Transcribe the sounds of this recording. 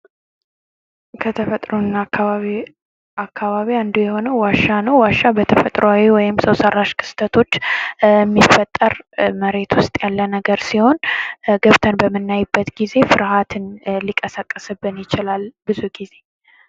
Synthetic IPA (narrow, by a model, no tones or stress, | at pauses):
kʰət̪ʰəfət̪ʼɾonːakʰːaβaβi | akʰːaβaβiand̪ujɛho̞nəwwaʃːanəwwaʃːabət̪ʰəfət̪ʼɾoawiwɔjɪmsəwsərːaʃkʰɨ̥st̪ʰət̪ʰo̞t͡ʃːɛmːifət̪ʼːəɾməɾe̞t̪wʊst̪ʼjalːənəɡəɾsiho̞nɡəβt̪ʰənbəmːɨnːajbːət̪ɡize̞fɨɾhat̪ʰɨnlikʼəsakʼːəsɨbːɨnjɪt͡ʃɪlalbɨzuɡize̞